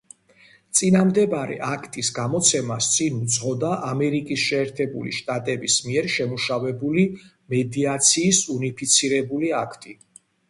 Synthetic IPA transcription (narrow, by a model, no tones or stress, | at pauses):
t̪sʼinamd̪ɛbaɾɛ̰ʔakʰt̪ʼisɡamɔt̪sʰɛmast̪sʼinut̪zsʼʁɔd̪aʔamɛɾikʼisʃɛːɾt̪ʰɛbṵlḭʃt̪ʼat̪ʼɛbismiɛɾʃɛmuʃavɛbuli | mɛd̪iat̪sʰiːsunipʰit̪sʰiɾɛbuliakʰt̪ʼi